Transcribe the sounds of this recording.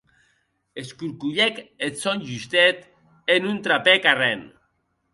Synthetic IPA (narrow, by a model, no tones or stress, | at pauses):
eskuɾkuʎeket̪sonʲʒyst̪et̪ | enunt̪ɾapekaren